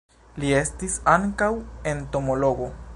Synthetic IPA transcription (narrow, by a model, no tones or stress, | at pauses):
lie̞stisaŋkawe̞nto̞moloɡo̞